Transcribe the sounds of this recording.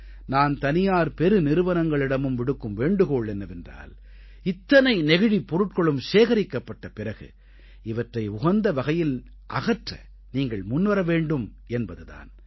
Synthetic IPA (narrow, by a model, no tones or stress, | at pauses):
naːnt̪ɐnɪjaːɾpɛɾɯnɪɾɯʋɐnɐŋɡɐɭɪɽɐmɯmʋɪɽɯkːɯmʋeːɳɖɯɣoːɭɛnːɐʋɛndra̰ːl | ɪt̪ːɐnɐɪnɛɣɯɻipːɔɾɯʈ̚kɔɭɯmʃeːɣɐɾɪkːɐpːɐʈːɐpɪɾɐɣɯ̰ | ɪʋɐʈrɐɪʊɣɐnd̪ɐʋɐɣɐjɪl | ʔɐ̰ɣɐʈrɐ̰ | niːŋɡɐɭmʊnːʋɐɾɐʋeːɳɖɯm | ɛnbɐðɯða̰ːn